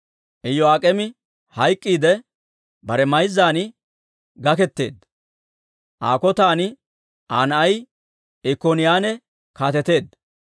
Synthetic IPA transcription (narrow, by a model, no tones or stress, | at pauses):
ʔɛjɔaːkʼɛmɪ | hɐjkʼːiːd̪ɛ | bɐɾɛmɐjzːaːnɪ | ɡɐkɛt̪ːe̞̰ːd̪ | ʔa̰ːkɔt̪aːnɪ | ʔaːnɐj | ɛkoːnɪjaːnɛ | kaːt̪ɛt̪e̞ːd̪ː